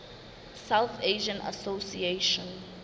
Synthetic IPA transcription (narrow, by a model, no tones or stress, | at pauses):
sawθeʒə̃nʔa̰sosieʃɔ̃n